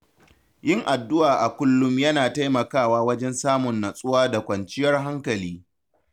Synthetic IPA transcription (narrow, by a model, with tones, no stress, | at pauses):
jɪ˦ŋʔa˨dːʊ˦ʔaː˨ʔa˨kʷʊ˦lːʊ˦mjɐ˦naː˨ta˦jmɐ˨kaː˦˨waː˦wɐ˦d͡ʒɛ˦nsaː˦mʊ˨nːa˨sʼʊ˦waː˦da˨kʷɐ˨nt͡ʃɪ˦jɐ˦rɦa˦ŋkɐ˨liː˦